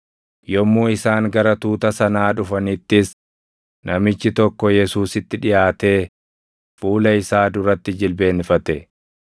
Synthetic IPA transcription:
jɔmːuːɪsaːŋɡɐɾɐt̪uːt̪ɐsɐnaːᶑʊfɐnɪt̪ːɪs | nɐmɪt͡ʃːɪt̪ɔkːɔjɛsuːsɪt̪ːɪᶑɪjaːt̪e̞ː | fuːlɐɪsaːd̪ʊɾɐt̪ːɪd͡ʒɪlbe̞ːnfɐt̪ɛ

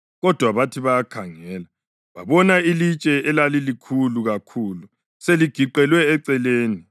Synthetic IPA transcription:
ɣɔd̥ʱwaβatʰiβajakʰaŋɛːla | βa̰βɔnailit͡ʃʼɛɛlalilikʰuluɣakʰulu | seliɡ̥ʱiǃɛlwɛːǀɛleːni

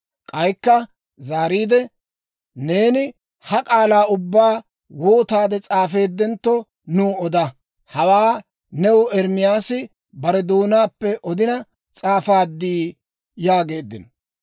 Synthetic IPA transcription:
kʼɐjkːɐ | zaːɾiːd̪ɛ | ne̞ːnɪ | hɐkʼaːlaːʊbːaː | woːt̪aːd̪ɛt͡sʼaːfe̞ːd̪ːɛnt̪ːɔ | nuːɔd̪ɐ | hɐwaː | nɛwʊɛɾmɪjaːsɪ | bɐɾɛd̪oːnaːpːɛʔɔd̪ɪnɐ | t͡sʼaːfaːd̪ːiː | jaːɡe̞ːd̪ːɪn

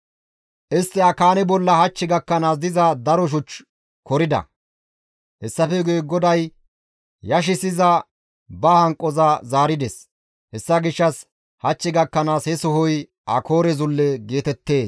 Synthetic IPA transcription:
ʔɪst̪ːɪɐkaːnɛbɔlːɐhɐt͡ʃːɪɡɐkːɐnaːs̬d̪ɪzɐd̪ɐɾɔʃ̬ʊt͡ʃ | kɔɾɪd̪ɐ̰ | hɛsːɐfɛɡujɡɔd̪ɐj | jɐʃ̬ɪsɪzɐ | bɐhɐŋkʼːɔzɐzaːɾɪd̪ɛs | hɛsːɐɡɪʃːɐs | hɐt͡ʃːɪɡɐkːɐnaːshɛsɔɦɔj | ʔɐkʰo̞ːɾɛzʊlːɛɡe̞ːt̪ɛt̪ːe̞ːs

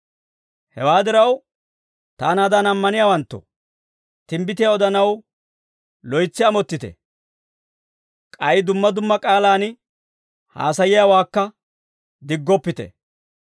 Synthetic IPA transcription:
hɛwaːd̪ɪɾɐw | t̪aːnaːd̪anɐmːɐnɪjaːwɐnt̪ːɔ̰ | t̪ɪmbɪt̪ɪjaɔd̪ɐnɐw | lɔjt͡sːɪɐmɔt̪ːɪt̪ɛ̰ | kʼɐjd̪ʊmːɐd̪ʊmːɐkʼaːlaːn | ha̰ːsɐjɪjaːwaːkːɐ | d̪ɪɡːɔpːɪt̪ɛ̰

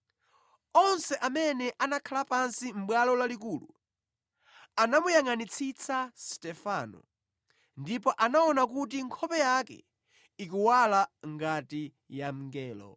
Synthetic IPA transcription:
ɔnsɛʔamɛnɛʔanakʰalapansim̩ɓwalɔlalikuːlṵ | anamujaŋanit͡sʰit͡sʰastɛfanɔ̰ | ndipɔʔanaɔnak̬ut̬iŋkʰɔpɛjakɛ̰ | ikuwalaŋɡati | jam̩ŋɡɛːlɔ̰

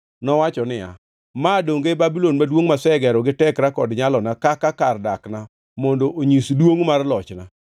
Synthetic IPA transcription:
nɔwat͡ʃɔnɪa̰ | madoŋɡebabilonmadwoŋmasɛɡɛɾɔɡɪtɛkɾakɔdɲalɔnakakakardakna | mɔndoʔoɲisdwoŋmarlɔt͡ʃna

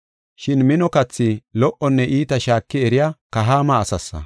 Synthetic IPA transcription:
ʃɪnmɪnɔkɐt͡sːɪlɔʔɔnːɛʔiːt̪ɐʃaːkːɪɛɾɪjakɐɦaːmɐːsɐsːɐ̰

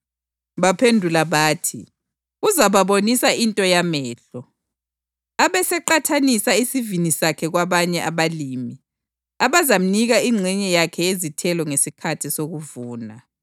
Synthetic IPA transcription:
βapʰendʱulaβaːtʰḭ | uzaβaβonisaintʼɔjamɛːɬɔ | aβɛsɛǃatʰanisaisivinisakʰɛɣwaβaɲɛʔaβaliːmi | aβazam̩niɣaiŋ͡ǀʱɛɲɛjakʰɛjezitʰɛlɔŋesikʰatʰisoɣuvuːna

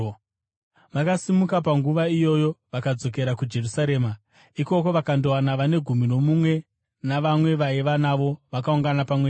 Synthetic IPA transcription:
ʋakasimukap̬aŋɡuʋaijo̞jo̞ʋakad͡zo̞k̬e̞ɾakud͡ʒe̞rusaɾe̞ːma | iko̞ko̞ʋakandoanaʋane̞ɡʱumino̞mumwe̞ | naʋamwe̞ʋaiʋanaʋo̞ʋakauŋɡanapamwe

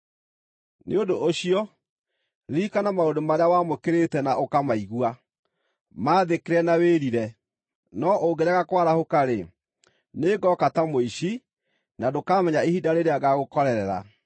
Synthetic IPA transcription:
nḛodoʔoɕiɔ | ɾikanamaodomaɾeawamokeɾetɛnaʔokamaiɣwa | maːðekeɾɛnaweɾiɾɛ | nɔʔoɡɛɾɛɣakwaɾahokaɾe | neɡɔkatamoiɕi | nadokamɛɲaehidaɾeɾeaɣaɣokɔɾɛɾɛɾa̰

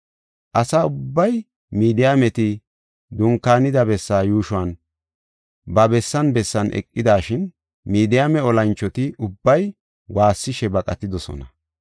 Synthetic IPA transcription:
ʔɐsaʊbːɐj | miːd̪ɪjamɛt̪ɪ | d̪ʊŋkːaːnɪd̪ɐbɛsːaːjuːʃʊɐn | bɐbɛsːɐnbɛsːɐnʔɛ̰kʼːɪd̪aːʃɪn | miːd̪ɪjamɛɔlɐnt͡ʃːɔt̪ɪʊbːɐj | waːsːɪʃɛbɐkʼɐt̪ɪd̪ɔsɔ̰nɐ

